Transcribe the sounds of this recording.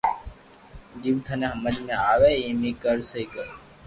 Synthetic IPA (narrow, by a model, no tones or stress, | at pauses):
d͡ʒiʋt̪ʰəneɦəməd͡ʒmẽaʋeimikəɾsəikəɾ